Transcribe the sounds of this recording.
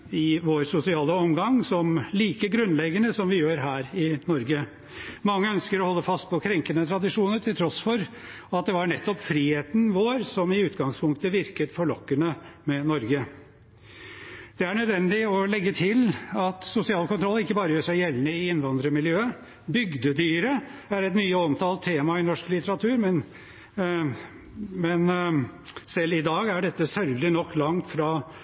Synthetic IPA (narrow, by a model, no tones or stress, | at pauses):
ɪʋoːɾsʊsɪɑːləɔmɡɑŋsɔmliːkəɡɾʉnlɛɡənəsɔmʋɪjøːɾɦæːɾɪnɔɾɡə | mɑŋːəœnskəɾɔhɔlːəfɑst̪̚pʰɔkʰɾɛŋkənət̪ʰɾɑd̪ɪʂuːnəɾʈ̪ʰɪlt̪ʰɾɔsfɔɾ | ɑt̪̚d̪ɛʋɑɳɛt̪ːɔpfɾiːheːt̪n̩ʋoːɾsɔmɪʉːt̪ɡɑŋspʰʊŋk̚t̪əʋɪɾkət̪fɔɭɔkːənəmɛnɔɾɡə | d̪̥ɛæɳœd̪ʋɛnːd̪ɪɔlɛɡːət̪ʰɪlɑt̪sʊsɪɑːlkʊnt̪ʰɾɔlːɪkːəbɑːɾəjøːʂæɪjɛlnəɪɪnːʋɑnd̪ɾəmɪljøːə | bʏɡd̪əd̪yːɾəæɾɛt̪myːəɔmt̪ʰɑːlt̪ʰːeːmɑɪnɔʂklɪt̪əɾɑt̪ʰʉːɾmɛn | mɛn | sɛlːɪd̪ɑːɡæɖɛt̪ːəsœɾɡlɪnɔkːlɑŋt̪fɾɑ